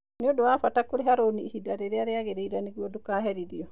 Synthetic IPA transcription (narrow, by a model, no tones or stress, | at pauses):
neodoafatakoɾeɦaɾoniːhidaɾeɾeaɾeaɣeɾeiɾaneɣuɔdokaːɦɛɾiɾiɔ